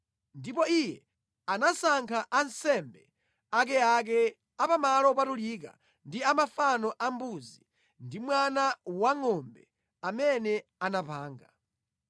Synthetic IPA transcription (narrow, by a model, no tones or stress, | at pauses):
ndipɔijɛ | anasaŋkʰaʔansɛmbɛ | ak̬ɛak̬ɛ | apamalɔpatulika̰ | ndiamafanɔʔambuzi | ndimwanawaŋɔmbɛ | amɛnɛanapaːŋɡa